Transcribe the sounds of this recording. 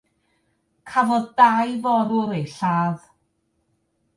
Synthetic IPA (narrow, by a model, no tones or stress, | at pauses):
kʰavɔðdajvɔɾʊɾejɬaːð